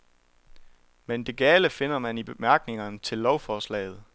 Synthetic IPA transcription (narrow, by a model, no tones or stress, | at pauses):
mend̥e̝ɡ̥ɛːləfe̝n̰ɐmænib̥e̝mæɐɡ̥ne̝ŋɐnt͡sʰe̝lːɒʊfɒːslɛ̰ːɪð̞̩ˠ